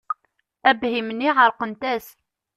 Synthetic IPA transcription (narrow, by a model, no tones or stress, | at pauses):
æbhimənːiʕəɾqənt̪æs